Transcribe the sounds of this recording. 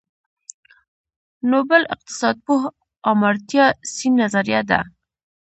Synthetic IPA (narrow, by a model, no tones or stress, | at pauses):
nobəlɪq̚t̪ɪ̥sɑd̪̚puɦ | ɑmaɾt̪jɑsinːazaɾjad̪a̰